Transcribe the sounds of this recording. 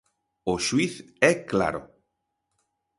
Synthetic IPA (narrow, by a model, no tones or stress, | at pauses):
oʃwiθɛkla̰ɾo̰